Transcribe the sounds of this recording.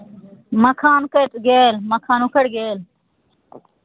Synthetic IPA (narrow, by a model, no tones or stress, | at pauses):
məkʰaːnkət̪ɡeːlmɐkʰaːnukʰəɽɡeːl